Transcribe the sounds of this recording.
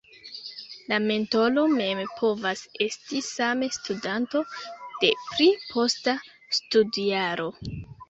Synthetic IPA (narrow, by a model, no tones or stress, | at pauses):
lame̞nto̞lo̞me̞mpʰo̞vase̞stisamestudanto̞d̥e̞pɾipʰo̞sta | studiaɾo̞